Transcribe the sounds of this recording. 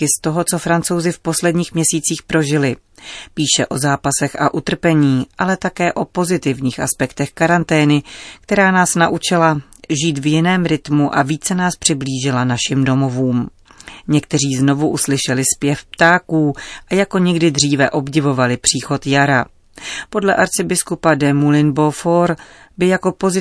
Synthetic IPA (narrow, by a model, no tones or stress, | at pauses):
kɪst̪o̞ɦo̞t͡so̞fɾant͡so̞wzɪfpo̞slɛdɲiːxmɲɛsiːt͡siːxpɾo̞ʒɪlɪ | piːʃɛʔo̞zaːpasɛxʔaʔut̪r̩pɛɲiːʔalɛt̪akɛːʔo̞po̞zɪt̪ɪvɲiːxʔaspɛkt̪ɛxkaɾant̪ɛːnɪkt̪ɛɾaːnaːsnaʔut͡ʃɪla | ʒiːt̪vjɪnɛːmɾɪt̪muʔa̰viːt͡sɛnaːspr̥ɪbliːʒɪlanaʃɪmdo̞mo̞vuːm | ɲɛkt̪ɛr̝iːzno̞vuʔuslɪʃɛlɪspjɛfpt̪aːkuːʔajako̞ɲɛɡdɪdr̝iːvɛʔo̞bɟɪvo̞valɪpr̝̥iːxo̞t̪jaɾa | po̞dlɛʔaɾt͡sɪbɪskupadɛmulɪnbo̞foɾbɪjako̞po̞zɪ